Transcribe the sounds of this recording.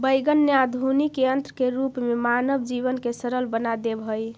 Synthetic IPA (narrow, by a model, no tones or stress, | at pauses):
bəjɡənːjad̪ʱunikeənt̪ɾəkeɾupmemanəbd͡ʒiβənkesəɾəlbənad̪ebʱɦəj